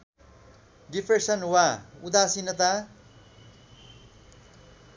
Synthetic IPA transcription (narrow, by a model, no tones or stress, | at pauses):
ɖipʰresʌnwaud̪asinʌt̪̬a